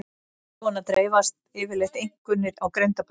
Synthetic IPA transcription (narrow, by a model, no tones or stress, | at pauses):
ɔnat̪ɾeːjvast̪ɪːvɪɾlext̪ejŋ̥kʏnːɪɾawkɾeɥnt̪ap